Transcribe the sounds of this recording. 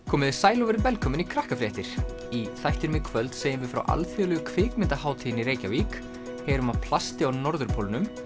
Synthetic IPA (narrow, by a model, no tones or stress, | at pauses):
kʰɔːmɪðɪsaːjlɔvɛɾɪvɛlkʰœːmʏnikʰɾahkafɾjɛht̪ɪɾ̥ | iθajht̪ɪɾmɪkʰvœlt̪seːjɪnvɪfɾa̰wʔa̰lfjœːlʏɣʏkʰvɪːkmɪnt̪ahaːwt̪ʰiɪniɾeːjcavik | heːɾʏmapʰl̥ast̪ɪawnɔɾðʏɾpʰoːlnʏm